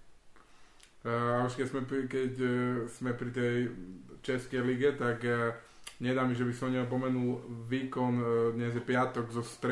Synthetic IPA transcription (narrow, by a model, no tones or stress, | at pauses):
auʃkɛzmɛpkɛcsmɛpɾit̪ɛjt͡ʃɛskɛjliɡɛt̪ak | ɲɛd̪aːmiʒɛbisɔmɲɛɔp̬ɔmɛnulʋiːkɔnd̪ɲɛzjɛpɪat̪ɔɡzɔst̪ɾ